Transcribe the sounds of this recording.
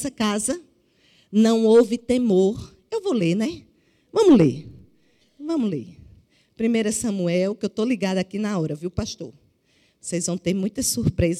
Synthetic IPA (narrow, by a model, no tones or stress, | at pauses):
sɐkazɐ | nɐ̃w̃owvɪt̪emoɾ | ewvowleɾnɛ | vɐ̃mʊlḛɾ | vɐ̃mʊlḛ | pɾĩmejɾɐsɐ̃muɛwkɪewt̪oliɡad̪ɐakinɐɔɾɐviwpaʃt̪o̰ɾ | osejzvɐ̃w̃t̪eɾmũj̃t̪ɐsuɾpɾez